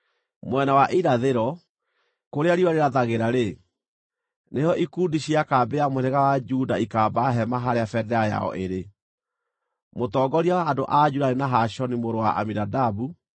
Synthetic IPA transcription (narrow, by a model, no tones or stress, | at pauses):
mwɛnawaʔiɾaðeɾɔ | koɾeaɾiwaɾeɾaðaɣeɾaɾe | nejɔʔikundiɕiakaːbeamoɾeɣawad͡ʒudaikaːbaɦɛmaɦaɾeafɛdɛaja̰ɔ̰ʔeɾe | motɔːɡɔɾiawaːndoʔad͡ʒuɾaɾenaɦaɕɔnimoɾowaʔa̰minadabu